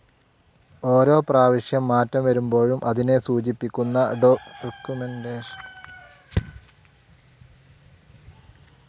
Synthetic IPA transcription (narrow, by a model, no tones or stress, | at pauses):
o̞ːɾo̞ːpraːʋiʂjɐmːaːtrɐmʋɐɾumbo̞ːɻumʔɐðine̞suːt͡ɕipːikʲːunːɐɖookːumendeːʂɐ̥n